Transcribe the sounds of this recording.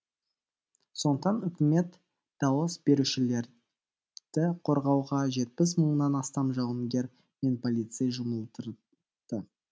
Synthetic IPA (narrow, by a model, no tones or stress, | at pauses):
so̞nt̪ɑnʏkʲɪme̞t̪ | d̪̥ɑwəsbe̞ɾuʃɪle̞ɾ | d̪̥ɪqʰo̞ɾʁɑwʁɑʒe̞t̪̚pɪs̬məɴnɑnɑst̪ɑmʒɑw̪ˠəŋɡʲe̞ɾ | me̞npʰolʲit̪sejʒʊməlˠt̪əɾ | d̪̥ə